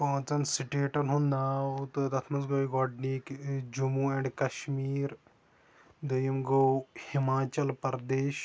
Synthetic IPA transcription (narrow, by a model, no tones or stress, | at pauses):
koːt͡sɐnsiʈeːʈɐnɦũnnaːwt̪ɨd̪ɐt̪ʰmɐsɡoːiɡɔːɖnikd͡ʒumuɛ̃ːɳɖkɐʃmiːɾ | d̪ɐjimɡowhimaːt͡ʃɐlpɐɾd̪eːʃ